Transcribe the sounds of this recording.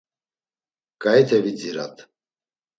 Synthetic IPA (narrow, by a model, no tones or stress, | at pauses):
ɡ̥aɛt̪ʰɛvid͡ziɾa̰t̪ʰ